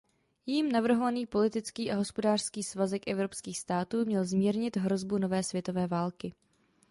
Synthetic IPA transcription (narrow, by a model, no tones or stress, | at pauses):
jɛjiːmnavr̩ɦo̞vaniːpo̞lɪt̪ɪt͡skiːʔaɦo̞spo̞daːr̥skiːsvazɛkʔɛvɾopskiːxst̪aːt̪uːmɲɛlzmiːɾɲɪt̪ɦɾo̞zbuno̞vɛːsvʲjɛt̪ovɛːvaːlkɪ